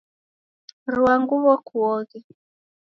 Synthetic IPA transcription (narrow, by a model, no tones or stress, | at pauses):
ruaŋɡuβɔkʰuɔɣi